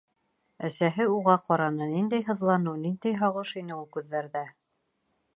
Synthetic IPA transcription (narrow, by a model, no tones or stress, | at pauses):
æsæɦɘuʁɑqɒɾɑnɤnind̪æjɦɤ̆ðlˠɑnɤwnind̪æjɦɑʁɤʃinɘulˠkʉðːæɾðæ